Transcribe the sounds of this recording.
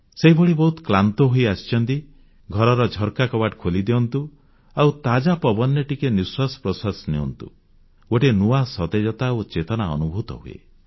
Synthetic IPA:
seɦibʱɔɽibɔɦut̪klant̪oɦoiast͡ʃʰɔnt̪i | ɡʱɔɾɔɾɔd͡ʒʱɔɾkakɔbaʈkʰolid̪eɔnt̪u | awt̪ad͡ʒapɔbɔnːɔʈikeniswasɔ̥pɾɔsasneɔ̰nt̪ṵ | oʈenuasɔt̪ed͡ʒɔt̪aot͡ʃet̪ɔnaɔ̰nubʱut̪ɔ̰ɦuḛ

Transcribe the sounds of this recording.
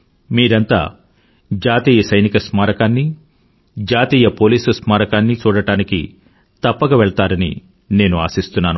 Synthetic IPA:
miːɾɐnt̪a̰ː | d͡ʒaːt̪iːjɐsɐjnikɐsmaːɾɐkaːnːi | d͡ʒaːt̪iːjɐpoːliːsusmaːɾɐkaːnːit͡ʃuːɽɐʈaːnikḭ | t̪ɐpːɐkɐʋɛɭɐt̪aːɾɐnḭ | ne̞ːnuaːsist̪unːaːnu

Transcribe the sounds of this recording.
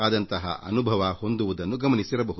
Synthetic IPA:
aːd̪ɐnt̪ɐɦɐ̰ʔɐ̰nubʱɐʋɐho̞nd̪uʋud̪ɐnːuɡɐmɐnisiɾɐbɐɦud̪u

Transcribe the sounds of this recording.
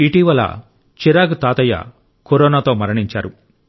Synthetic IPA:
iʈiːʋɐlɐ̰ | t͡ʃiɾaːɡt̪aːt̪ɐjɐ̰ | koɾoːnaːt̪o̞ːmɐɾɐɳiɲt͡ʃa̰ːɾu

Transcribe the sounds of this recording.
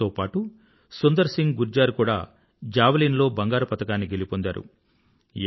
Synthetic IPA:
oːpaːʈu | sund̪ɐɾsiŋɡɡuɾd͡ʒaːɾukuːɽa̰ː | d͡ʒaːʋɐliːnlo̞ːbɐŋɡaːɾɐpɐt̪ɐkaːnːiɡe̞lipond̪a̰ːɾṵ

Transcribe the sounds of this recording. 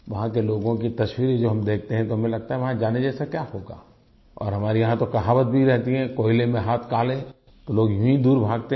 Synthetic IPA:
ʋɐɦãkeloːɡõkit̪ɐʃwiːɾ̃d͡ʒoːɦɐmd̪eːkʰt̪eɦɛ̃t̪oɦɐmẽlɐɡ̚t̪aɦɛʋɐɦãd͡ʒaːned͡ʒɛːsakjaːhoːɡa̰ː | ɔ̰ːɾɦɐmaːɾijɐɦãt̪okɐɦaːʋət̪̚bʱiɾɛɦt̪iɦɛ̃ːkoːɪlemẽɦaːt̪ʰkaːlẽ | t̪oloːɡjũĩd̪uːɾbʱaːɡ̚t̪e

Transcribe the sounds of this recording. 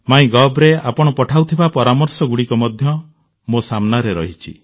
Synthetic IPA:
maĩɡɔbɾea̰pɔɽ̃ɔpɔʈʰawt̪ʰibapɔɾamɔɾsɔɡuɽikɔmɔd̪ʱjɔ | mosamnaɾeɾɔɦit͡ʃʰḭ

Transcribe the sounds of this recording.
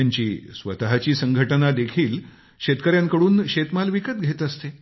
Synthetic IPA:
aɲt͡ɕiːsʋət̪ɦat͡ɕiːsəŋɡʱəʈənad̪ekʰiːl | ɕet̪kəɾjãŋkəɽuːnɕet̪malʋikət̪̚ɡʱet̪əst̪e

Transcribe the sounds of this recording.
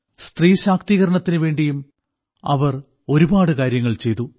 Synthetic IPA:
st̪riːɕaːkt̪iːɣɐɾɐɳɐt̪ːinɨʋe̞ːɳɖijum | ɐ̰ʋɐr | o̞ɾubaːɽɨkaːɾjɐŋːɐɭt͡ɕe̞jt̪u

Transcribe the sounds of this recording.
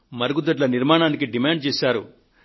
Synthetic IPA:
mɐɾɡud̪ɐʈ̬lɐniɾmaːɳaːnikiɖimaːɳɖ̚t͡ʃeːsaːɾṵ

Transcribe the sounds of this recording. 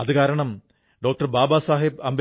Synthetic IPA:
ɐðɨkaːɾɐɳɐm | ɖo̞ːk̚ʈɐrbaːbasaːɦibɐmb

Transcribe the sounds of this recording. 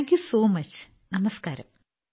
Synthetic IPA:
ŋkjusoːmɐt͡ɕ | nɐmɐskaːɾɐ̰m

